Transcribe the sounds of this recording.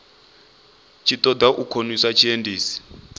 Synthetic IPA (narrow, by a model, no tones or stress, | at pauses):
t͡ʃʰitʼɔd̪aʔukʰonisat͡ʃʰiendiːsi̥